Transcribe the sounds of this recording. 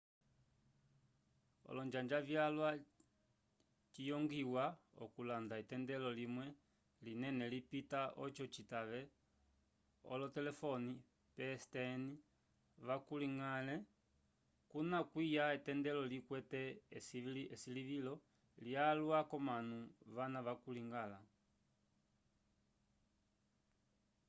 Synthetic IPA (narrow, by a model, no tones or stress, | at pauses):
ɔ̰lɔɲd͡ʒaɲd͡ʒavjalwa | t͡ʃijɔŋɡiwaɔ̰kulandaitɛndɛlɔlimwɛ | linɛnɛlipitaɔt͡ʃɔt͡ʃitaʋɛ | ɔ̰lɔtɛlɛfɔni | pɛstɛni | ʋakuliŋalɛ | kunakwijaitɛndɛlɔlikwɛtɛsɛsiliʋilɔ | lialwakɔmanuʋanaʋakuliŋɡala